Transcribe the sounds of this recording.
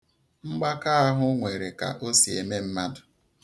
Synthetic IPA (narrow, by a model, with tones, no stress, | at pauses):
ŋ͡m̩˦ɡ͡ba˦ka˦a˦ɦʊ˦ŋʷe˨ɾe˨ka̰˨ʔo˦si˨e˨me˦m̩˦ma˦dʊ˨